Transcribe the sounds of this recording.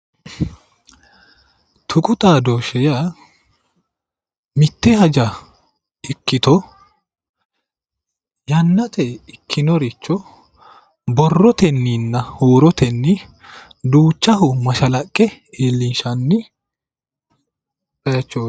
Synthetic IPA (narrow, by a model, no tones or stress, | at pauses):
t̪ʰʊkʼʊt̪ʼaːd̪oːʃɛja | mɪt̪ːɛhɐd͡ʒɐ | ɪkːɪt̪ɔ | jɐnːɐt̪ɛɪkʰːɪnɔɾɪt͡ʃːɔ | bɔrːɔt̪ɛnːiːnːɐhoːɾɔt̪ɛnːɪ | d̪uːt͡ʃːɐɦʊmɐʃɐlɐkʼːɛ | eːlːinʃɐnːɪ | pɐjɐt͡ʃːoː